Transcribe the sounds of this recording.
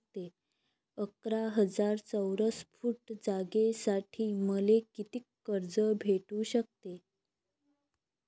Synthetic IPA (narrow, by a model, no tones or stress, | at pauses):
t̪e | əkɾaɦəd͡zaɾt͡səwɾəsfuʈd͡zaɡesaʈʰiːməlekit̪iːkːəɾd͡zəbʱeʈuɕək̚t̪e